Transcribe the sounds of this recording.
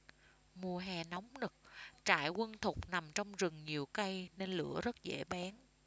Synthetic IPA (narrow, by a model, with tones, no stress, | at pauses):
mu˨˩əɦɛ˨˩nɔ˨˦wŋ͡mnɨ˨˩k̚t͡ɕa̰ː˧˩jkwə˧nt̪ʰʊ˨˩k͡p̚na˨˩mt͡ɕɔ˧wŋ͡mzɨ˨˩ŋɲi˨˩əwka˧jne˧nlɨ̰˧˥əzə˦˥t̚zḛ˧˥ɓaː˨˦n